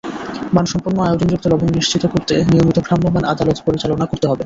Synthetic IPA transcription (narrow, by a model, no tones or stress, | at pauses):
banʃɔmpoɾnoaeod͡ʑond͡ʑok̚t̪olɔbonniʃt͡ɕit̪okoɾt̪eniomit̪okɾambʱobana̰d̪alot̪poɾit͡ɕalonakoɾt̪eɦɔbe